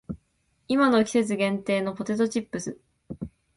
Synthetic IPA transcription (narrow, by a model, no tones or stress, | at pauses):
imano̞kʲi̥se̞t͡sɨɡẽ̞nt̪e̞ːno̞po̞t̪e̞t̪o̞t͡ɕipːɯsɨ